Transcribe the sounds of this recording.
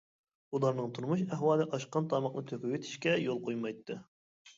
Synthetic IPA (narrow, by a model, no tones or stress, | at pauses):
ulˠɑɾnɨŋt̪ʰuɾmuʃ̬æɦwɑːlˠɨʔɑʃqɑnt̪ʰɑmɑqnɨt̪ʰøkʲywet̪ʰi̥ʃkʲɛjolˠqʰojmɑjt̪ʰːɨ